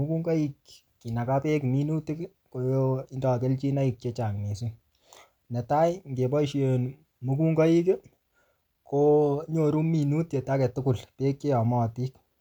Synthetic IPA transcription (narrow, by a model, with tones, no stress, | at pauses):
mu˦ku˦ŋɡɔ˦i˦kː | i˨na˨ka˦pe˦kmi˦nu˦ti˦k | ko˦jo˦i˦ndɔ˨ke˦lt͡ʃi˦na˦i˨k̚t͡ʃe˦t͡ʃa˨ŋne˨su˦ | nɛ˨ta˦jŋɡe˨bɔ˦ʃe˨n | mu˦ku˦ŋɡɔ˦ji˦ke˦ | ko˦ɲo˨ɾu˦mi˨nu˦tje˨ta˦kɛ˨tʊ˦ku˨lpe˦kt͡ʃe˦jɔ˨mɔ˦˨ti˦k